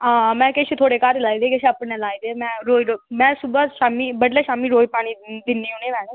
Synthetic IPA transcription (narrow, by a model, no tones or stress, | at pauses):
aːmɛ̃ːkɪt͡ʃʰt̪ʰoːɽeːkaːɾlaːiːd̪eːkɪt͡ʃʰəpnẽːlaːiːd̪eːmɛ̃ːɾoːiɾomɛ̃ːsʊbəʃaːmiːbəɽleːʃaːmiːɾoːipaːɽ̃iːd̪ɪnːiːoːneːʋɛːnẽ